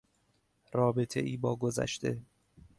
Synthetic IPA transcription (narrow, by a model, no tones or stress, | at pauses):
rɒːbe̞t̪ʰe̞̰ʔiːbɒːɡozæ̰ʃt̪e̞